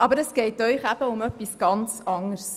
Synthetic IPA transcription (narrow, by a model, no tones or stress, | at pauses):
ʔɑbəɾəsɡ̥ɛɪtœʏχæb̥əʊmœpːisɡ̥ɑnt͡sɑŋəɾs